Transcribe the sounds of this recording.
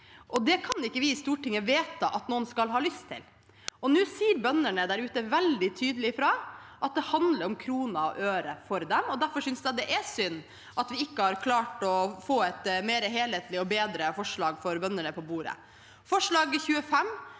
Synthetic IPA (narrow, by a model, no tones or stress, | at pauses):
ʔɔd̪ɛkʰɑnɪkːəʋɪɪst̪uːʈɪŋːəʋeːt̪ʰɑʔɑt̪noːənskɑlɦɑːlʏst̪ʰɪ̰l | ɔnʉːsiːɾbœnəɳəd̪æɾʉːt̪əʋɛld̪ɪt̪ʰyːd̪əlɪfɾɑːʔɑt̪̚d̪ɛhɑnd̪ləɾɔmkʰɾuːnɑɔ̰ʔøːɾəfɔɾd̪ɛmɔd̪æɾfɔʂʏnsd̪ɛd̪ɛʔɛsʏnː | ʔɑt̪ʋɪɪkːəhɑɾkʰlɑːʈɔfoːɛt̪meːɾəɦeːleːt̪lɪɔbeːd̪ɾəfɔʂɭɑːɡfɔɾbœnːəɳəpʰɔbuːɾə̰ | fɔʂɭɑːɡçʉːəfɛmː